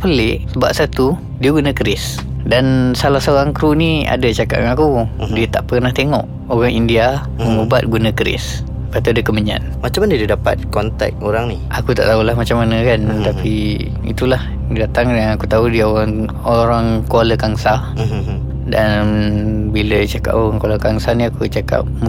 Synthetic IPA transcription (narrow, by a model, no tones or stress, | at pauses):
pəlɪʔsəba̰p̚sat̪u | diəɡunəkəɾɪs | dansalahsoɣaŋkɾunia̰dət͡ʃaka̰ʔ̚aŋakudiət̪aʔpəknaht̪eŋɔ̰ʔ | oɣaŋindia | məbat̪̚ɡunakəɾɪ̰s | pat̪uadəkəməɲa̰n̚mat͡ʃamandididapa̰t̪̚kɔnt̪ɛ̰k̚oɾaŋniakut̪a̰ʔt̪aulaɦmat͡ʃamanəkant̪api | ḭt̪ulah | dat̪aŋjaŋakut̪audiəoɣaŋ | oɾaŋkoləkaŋsa | dan | bilət͡ʃaka̰ʔoɣaŋkolakaŋsaniakut͡ʃaka̰p̚m